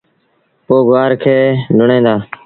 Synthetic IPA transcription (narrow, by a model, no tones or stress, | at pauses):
poːɡaːɾkʰeːɖʱʊɳẽːd̪aː